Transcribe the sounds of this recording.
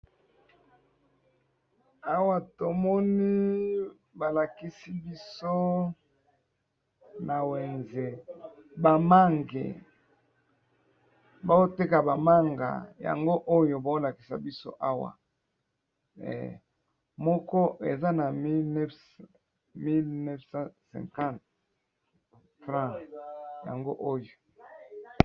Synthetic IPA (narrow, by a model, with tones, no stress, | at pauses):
a˦wa˨to˨mɔ˦ni˦ | ba˨la˨ki˦si˦bi˦so˦ | na˨we˨nze˨ | ba˨ma˦ŋɡḛ˨ | ba˦o˦te˦ka˨ba˨ma˦ŋɡa̰˨ja̰˨ŋɡo˦ʔo˦jo˨ba˨˦o˦la˨ki̥˨sa̰˨bi˦so̰˦ʔa˦wa̰˨ | ɛ̰˨ | mɔ˦kɔ˦ḛ˨za˦na˨mi˦lnɛ˦f | mi˦lnɛ˦fsã˦sɛ̰̃˨ŋkã˦˨t | fʁã˦ja̰˨ŋɡo˦ʔo˦jo˨